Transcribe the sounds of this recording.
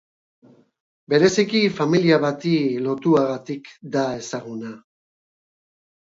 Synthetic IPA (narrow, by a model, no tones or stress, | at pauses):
be̞ɾe̞sikifamiliaβat̪ilo̞t̪uaɣat̪ikd̪ae̞saɣuna